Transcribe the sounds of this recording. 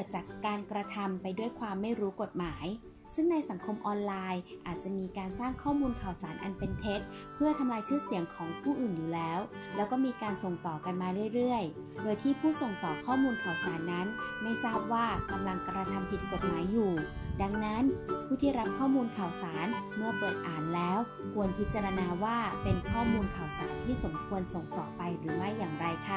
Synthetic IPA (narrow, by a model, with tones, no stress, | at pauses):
ɯ˥˩t͡ɕaː˨˩kːaː˧nkɾa˧t̪ʰa˧mpa˧jdu˥˩əjkʰwaː˧mːa˥˩jɾuː˦˥ko˨˩t̪̚maː˩˦j | sɯ˥˩ŋna˧jsa˩˦ŋkʰo˧mʔɔː˧nlaː˧jʔa̰ː˨˩t̪̚t͡ɕa˨˩miː˧kaː˧nsaː˥˩ŋkʰɔː˥˩muː˧nkʰaː˨˩wsaː˩˦nʔa̰˧npe˧nt̪ʰe˦˥t̪̚ | pʰɯ˥˩ɐt̪ʰa˧mlaː˧jt͡ɕʰɯː˥˩si˨˩˦əŋkʰɔː˩˦ŋpʰuː˥˩ʔɯː˨˩njuː˨˩lɛː˦˥w | lɛː˦˥wkɔː˥˩miː˧kaː˧nso˨˩ŋt̪ɔː˨˩ka˧nmaː˧ɾɯ˥˩əjɾɯ˥˩əj | doː˧jt̪ʰiː˥˩pʰuː˥˩so˨˩ŋt̪ɔː˨˩kʰɔː˥˩muː˧nkʰaː˨˩wsaː˩˦nːa˦˥nma˥˩jsaː˥˩p̚waː˥˩ka˧mla˧ŋka˧ɾa˧t̪ʰa˧mpʰi˨˩t̪̚ko˨˩t̪̚maː˩˦jːuː˨˩da˧ŋna˦˥npʰuː˥˩t̪ʰiː˥˩ɾa˦˥p̚kʰɔː˥˩muː˧nkʰaː˨˩wsaː˩˦nmɯ˥˩ɐpeː˨˩t̪̚ʔaː˨˩nlɛː˦˥w | kʰu˧ənpʰi˦˥t̪̚t͡ɕa˧ɾa˧naː˧waː˥˩pe˧nkʰɔː˥˩muː˧nkʰa˨˩wsaː˩˦nt̪ʰiː˥˩so˩˦mkʰu˧ənso˨˩ŋt̪ɔː˨˩pa˧jɾɯː˩˦ma˥˩jːaː˨˩ŋɾa˧jkʰa˦˥˩